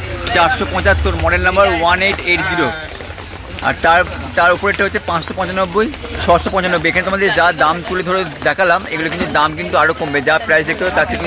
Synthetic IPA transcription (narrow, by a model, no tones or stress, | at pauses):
t͡ɕaɾʃopɔ̃t͡ɕat̪ːoɾmɔɖennambaɾwaneʈeʈd̪iɾo | a̰ɾt̪aɾt̪aɾupoɾeʈːaɦoːt͡ɕʰepãt͡ɕʃopɔ̃t͡ɕanobːoj | t͡ɕʰɔʃopɔ̃t͡ɕanobːojekʰanet̪omad̪eɾd͡ʑad̪amt̪uled̪ʱoɾed̪ɛkʰalameɡulokint̪ud̪amkint̪̬uaɾokombed͡ʑapɾajsek̚t̪ot̪at̪ʰːeki